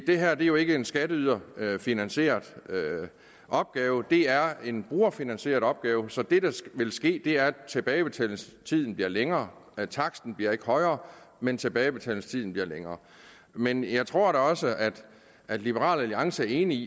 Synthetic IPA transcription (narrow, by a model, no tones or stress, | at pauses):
d̥e̝ɦæɐ̰d̥e̝ɐjo̝e̝ɡ̥əe̝nsɡ̥æɾəyð̞ˠɐøfinænse̝̰ːɐðˠø | ʔɒ̽b̥̚ɡ̥ɛːʊəd̥e̝æɐe̝nb̥ʁuːɐfinænɕe̝̰ːɐðˠɒ̽b̥̚ɡ̥ɛːʊsɒ̽d̥e̝d̥ɑʋe̝lsɡ̥e̝̰ːd̥e̝æɐt͡sʰe̝b̥ɛːɪəb̥e̝t͡sʰɛ̰ːl̩st͡sʰiðˠn̩b̥iɐleŋɐːt͡sʰɑ̈ɡ̥sd̥n̩b̥liɐe̝ɡ̥əhɒ̽ɪɐː | ment͡sʰe̝b̥ɛːɪb̥e̝t͡sʰɛ̰ːln̩st͡sʰiðˠn̩b̥liɐleŋɐː | menjɑ̈ɪt͡sʰʁo̝ɐ̰ɾ̥ɑɒ̽səʔæd̥ | ʔæd̥lib̥əʁɑ̰̈ːlæliɑ̈ŋsəæɐe̝ːnii